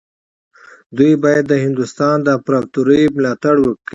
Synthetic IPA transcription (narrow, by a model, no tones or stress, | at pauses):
d̪ujbɑjad̪ːəhɪnd̪ust̪ɑnd̪əːpɾat̪uɾəjmlɑt̪aɽwəkɽi